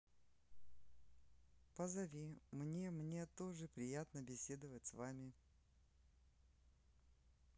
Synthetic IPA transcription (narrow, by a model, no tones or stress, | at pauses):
pəzɐvʲimnʲe̞mnʲe̞t̪o̞ʐɨpɾʲɪjat̪nəbʲɪsʲe̞d̪əvətʲsvamʲɪ